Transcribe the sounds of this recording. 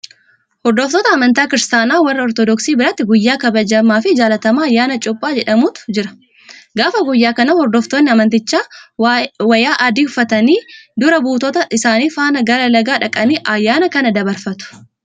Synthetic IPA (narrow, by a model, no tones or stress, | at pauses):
hɔɾd̪ɔft̪ɔːt̪ɐːmɐnt̪aːkɪɾɪst̪aːnaːwɐrːɐɔɾt̪ɔd̪ɔksiːbɪɾɐt̪ːɪɡʊjːaːkɐbɐd͡ʒɐmːaːfɪd͡ʒaːlɐt̪ɐmaːɐjːaːnɐt͡ʃʼʊpʼːaːd͡ʒɛᶑɐmuːt̪ʊ̥d͡ʒɪɾɐ̥ | ɡaːfɐɡʊjːaːkɐnɐhɔɾd̪oːft̪oːnːɪɐmɐnt̪ɪt͡ʃːaː | wɐjaːʔɐd̪iːʊfɐt̪ɐniːd̪ʊɾɐbuːt̪ɔt̪ɐʔɪsaːniːfaːnɐɡɐɾɐlɐɡaːᶑɐkʼɐniːʔɐjːaːnɐkɐnɐd̪ɐbɐɾfɐt̪ʊ̥